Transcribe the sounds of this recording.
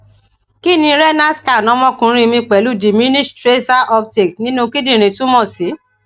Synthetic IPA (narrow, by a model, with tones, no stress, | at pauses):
ki˦˨nĩ˧ɾɛ˦na˦ska˦˨nɔ̃˨˦mɔ̃˦kũ˨˦ɾ̃ĩ˦˧mĩ˧k͡pɛ˨˦lu˦˨di˨mĩ˦nĩ˦stɾe˦ta˦ʔɔ˧pte˨knĩ˦nũ˦ki˦dĩ˦˨ɾ̃ĩ˨tũ˦mɔ̃˦˨si˨˦